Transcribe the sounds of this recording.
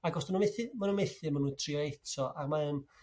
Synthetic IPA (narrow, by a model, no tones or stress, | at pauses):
aɡɔsmanumeθɨmanumejθɨmanuntʰriɔejtʰɔʔarmaən